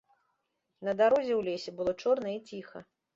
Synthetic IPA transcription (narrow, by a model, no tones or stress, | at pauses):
nɐd̪aɾɔzʲɛwlʲesʲɛbɨlˠɔt͡ʂɔrnɐit͡sʲixɐ̰